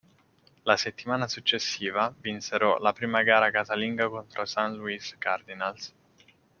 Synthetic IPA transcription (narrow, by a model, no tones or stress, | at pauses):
laset̪ːimaːnasut͡ʃːesːiːvavinseɾɔlapɾiːmaɡaːɾakazaliŋɡakont̪ɾosanluiskard̪inals